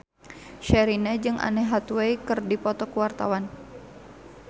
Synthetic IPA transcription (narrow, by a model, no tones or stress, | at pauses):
ʃɛɾinad͡ʒɨŋʔa̰nɛɦat̪wɛikɨrdipɔt̪ɔkəwart̪a̰wan